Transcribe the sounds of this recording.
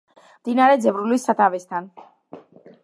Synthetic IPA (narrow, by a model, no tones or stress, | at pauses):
md̪̥inaɾɛd̪zɛvɾulisːat̪ʰavɛst̪ʰan